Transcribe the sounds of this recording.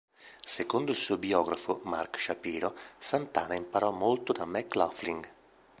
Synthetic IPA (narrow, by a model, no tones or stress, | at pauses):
sekond̪oilsuːobiɔːɡɾafoma̰rkʃapiːɾosant̪aːnaimpaɾɔmːolt̪od̪amɛklafliŋɡ